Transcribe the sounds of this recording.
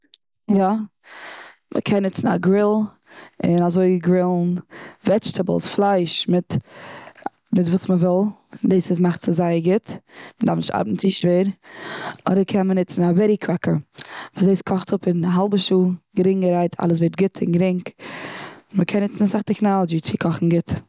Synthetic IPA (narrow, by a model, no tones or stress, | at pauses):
jɔ | mʔə̰kʰɛnːɪt͡sn̩a̰ɡɾɪlˠ | ɪnazoɪɡɾɪlˠnvɛd͡ʒtəbl̩ˠsflˠaɪʃmɪt | mɪtvuːsməvɪlˠdeːsɪsmaχtsɪzaɪəɾɡɪtmədaɾfnɪʃta̰ɾbn̩t͡siʃveːɾ | ɔdəɾkʰɛnmənɪt͡sn̩avɛɾikʰɾakəɾvadeːskʰɔχtʰʊpɪnaɦalˠbəʃuːɡəɾɪŋɡəɾaɪtʰa̰lˠəs̬veɪt̚ɡɪtʰɪ̰nɡɾɪŋk | məkʰɛnːɪt͡sn̩asaχdɪknaːlˠd͡ʒiːt͡sɪkʰɔχn̩ɡɪt